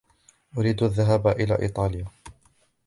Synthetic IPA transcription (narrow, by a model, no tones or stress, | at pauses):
ʔʊɾiːd̪aðːaɦaːbaʔɪla̰ːʔḭːt̪ˤɑːlɪjaː